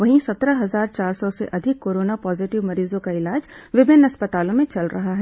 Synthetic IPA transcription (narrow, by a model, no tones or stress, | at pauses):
ʋɐɦĩsɐt̪ɾəɦɐzaːɾt͡ʃaːɾsɔsḛʔɐd̪ʱɪkːoːɾoːnapɔːzɪʈɪʋmɐɾiːzõkaɪlaːd͡ʒʋɪbʱɪnɐspət̪aːlõmẽt͡ʃɐlɾɐ̰ɦaɦɛː